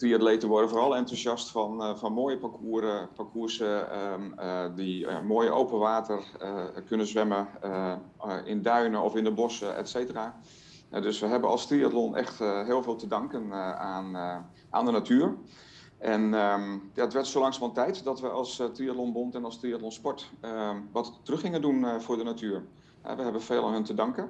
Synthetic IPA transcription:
triadleːtənʋɔdəfoːrɑlˠɛntusjɑstfɔnfɔnmoːjəpakʰuəɾəpakʰuərsə | dimoːjəʔowpənʋaːtʰərkønəzʋɛmə | ɪndœɥnəɔfɪndəbɔsəɛ̰tseːtəraː | ɛ̰døsʋəɦɛbənɑ̰lˠstriatlonʔɛ̰xtɦɪːlˠveːlˠtədɑŋkənan | ʔa̰ːndənatʰyːər | ʔɛnəjaətʋɛɹtsowlɑŋsmalˠtɛjtdɔtʋəʔɑlˠstriatlonbontɛnɑlˠstriatlonspɔɹtʋɔttərɵxɪŋəndunfʊːɹdənatyːər | hɛ̰ʋəɦɛbənfeːlˠanɦəntədɑŋkən

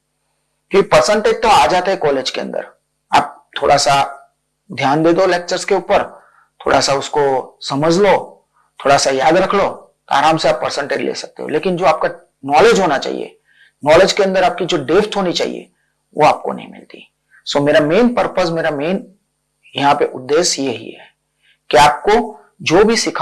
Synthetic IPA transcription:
kɪpəɾsə̃ɳʈeːd͡ʒt̪oaːd͡ʒaːt̪aɦɛkɔːleːd͡ʒkeɐ̰̃nd̪ə̰ɾ | a̰ːp̚t̪ʰo̰ːɽʔasa | d̪ʱjaːnd̪eːd̪oleːk̚t͡ʃəɾskeuːpəɾ | t̪ʰo̰ːɽʔa̰saʊskosɐməd͡ʒlo | t̪ʰoːɽasajaːd̪ɾɐkʰlo | t̪oa̰ːɾaːmseaːpːəɾsə̃ɳʈḛːd͡ʒlḛːsɐ̥k̚t̪ḛɦo̰leːkɪnd͡ʒoːaːp̚ka | nɔːled͡ʒɦoːnat͡ʃa̰ːɦḭḛ | nɔːled͡ʒkeɐ̃nd̪əɾaːp̚kid͡ʒoːɖeːfʈ̪ɦoːnit͡ʃa̰ːɦḭjḛ | ʋo̰aːp̚ko̰nɐ̰ɦĩmɪ̰lt̪ḭ | someːɾamẽːnpəɾpəs̬meːɾameːn | jɐɦãpeʔʊd̪ːeːʃjeɦḭɦɛ̰ | kiaːp̚ko | d͡ʒoːbʱisɪkʰ

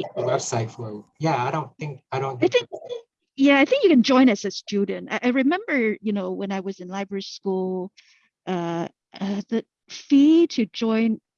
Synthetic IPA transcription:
əwɛb̥saɪtfəjæaɪɾõʊ̃nθɪ̃ŋkaɪɾõʊ̃nθaɪ̃θɪ̃ŋkaɪ̃ | jæaɪθɪ̃ŋkjɨkɨ̃nd͡ʒɔ̃ɪ̃ñʌsɨ̥stʉdⁿn̩ta̰ɪʔaɪɹɨmɛ̃mbə˞jɨnoʊwə̃naɪwʌzɨ̃nlaɪbɹə˞iskulˠ | ʔʌ | ʌðɨ | fiɾɨd͡ʒɔ̃ɪ̃n

